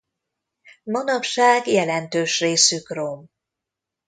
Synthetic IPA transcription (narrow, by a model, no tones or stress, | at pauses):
mɒnɒpʃaːɡjɛlɛnt̪øːʃreːsykrom